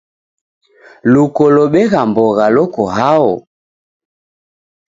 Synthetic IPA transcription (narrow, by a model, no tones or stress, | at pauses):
lukɔlɔɓɛɣambɔɣalɔkɔɦaɔ̰